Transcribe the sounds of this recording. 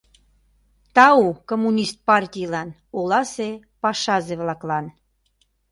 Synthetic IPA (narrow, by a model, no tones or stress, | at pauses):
t̪ɑukomːunʲist̪̚pɑrt̪ʲijlɑn | olɑse | pɑʃɑzeβlɑklɑn